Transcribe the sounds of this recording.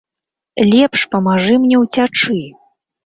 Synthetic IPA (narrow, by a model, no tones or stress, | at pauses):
lʲɛpʂpɐmaʐɨmnʲɛwt͡sʲat͡ʂɨ